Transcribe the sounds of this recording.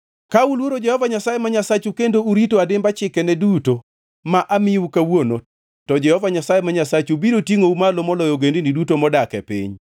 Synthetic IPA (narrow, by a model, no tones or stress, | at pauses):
kaulwoɾod͡ʒɛhɔvaɲasajemaɲasat͡ʃukendouɾitoadɪmbat͡ʃɪkɛnɛduto | maʔamɪukawono | tɔd͡ʒɛhɔvaɲasajemaɲasat͡ʃubiɾotiŋoumalomɔlɔjɔɡendinidutomɔdakɛ̰pɪ̰ɲ